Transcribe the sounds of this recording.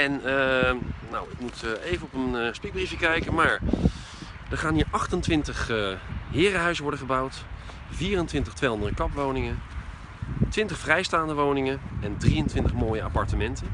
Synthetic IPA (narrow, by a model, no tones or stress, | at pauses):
ɛnənawɪk̚mutejvənɔpənspik̚brifjəkɛjkəmaːɹ | dəɹχaːnɦiːɹʔɑχtəntʋɪntəχɦɪːrəɦœɥzəʋɔɹdəχəbawt | viːrəntʋɪntəχtʋejɔndədəkɑpʋownɪŋən | tʋɪntəχfrɛjstaːndəʋownɪŋənɛndrijəntʋɪntəχmoːjəa̰pɑɹtəmɛntən